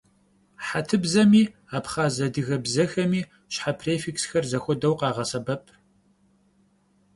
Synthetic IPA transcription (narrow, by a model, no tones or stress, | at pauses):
ħatʰɨbzɐmiː | aːpχaːzɐdɨɣɐbzɐxɐmiː | ɕħapʰreːfiksxɐrzɐxʷɔdɐwqɑːʁɐsɐbɐpʰ